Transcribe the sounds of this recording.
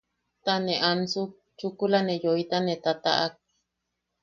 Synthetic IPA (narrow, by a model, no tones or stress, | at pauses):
t̪aneʔansuk̚ | t͡ʃukulanejoit̪anet̪at̪a̰ʔak̚